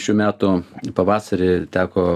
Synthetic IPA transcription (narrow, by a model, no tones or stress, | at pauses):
ʃʲuːmʲæːt̪ʊpɐʋɑːsɐɾʲet̪ʲæːkoː